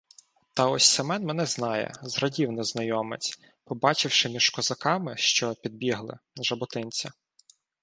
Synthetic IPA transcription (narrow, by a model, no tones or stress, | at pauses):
t̪ɐɔsʲsɐmɛnmɛn̪ɛznɑjɛ̰zɾɐdʲiwnɛznɐjɔmɪ̰t͡sʲ | pɔbɑt͡ʃɪwʃɪmʲiʒ̥kɔzɐkɑmɪʃt͡ʃɔpʲid̪̚bʲiɦlˠɪ̰ʒɐbʊt̪ɪnʲt͡sʲɐ